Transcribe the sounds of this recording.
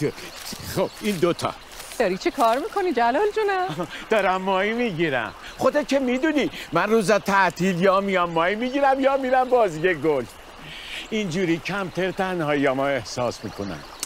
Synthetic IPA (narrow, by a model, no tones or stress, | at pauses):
xob̥iːnd̪ot̪ʰɒ̰ | d̪̥ɒɾit͡ʃʰekʰɒːɾmiːkʰonid͡ʒælɒld͡ʒunæd̪̥ɒːɾæmːɒːimiːɟiːɾæ̰m | χod̪ekʰemiːd̪uːnimænruːzæt̪ʰæʔt̪ʰiːljɒːmijɒmːɒːimiɡiːɾæmjɒːmiːɾæmbɒːzijeɡol | ind͡ʒuːɾiːcʰæmt̪ʰæɾt̪ʰænhɒːjɒmɒːe̞hsɒːsmiːkʰonæ̰m